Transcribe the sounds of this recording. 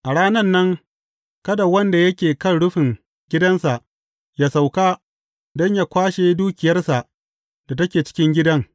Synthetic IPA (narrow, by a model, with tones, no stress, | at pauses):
ʔa˨ɽaː˦nɐ˦nːɐ˦ŋ | kɐ˦da˨wɐ˦nda˨jɐ˦kʲeː˨kɐ˦˨nɽʊ˦ɸɪ˨ŋ | ɡʲɪ˦dɐ˦nsa˨ʔ | jaː˦sa˨wkaː˦ | dɔ˦ɲjaː˦kʷaː˦ʃeː˦duː˦kʲɪ˨jɐ˦rsa˨ʔ | d̥a˨tɐ˦kʲeː˨t͡ʃɪ̥˦kʲɪ˦ŋɡʲɪ˦dɐ˦ŋ